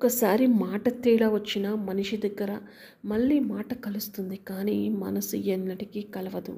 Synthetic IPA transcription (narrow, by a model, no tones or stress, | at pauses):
ɔkɐsaːɾimaːʈɐt̪iːɭɐʋɐt͡ʃːinɐmɐniʂid̪ɐɡːɐɾɐ | mɐɭːiːmaːʈɐkɐlust̪und̪ikaːniːmɐ̰nɐsṵjɐnːɐʈikikɐlɐʋɐd̪ṵ